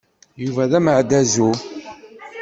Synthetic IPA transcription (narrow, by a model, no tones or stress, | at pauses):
juvæðæməʕd̪æzu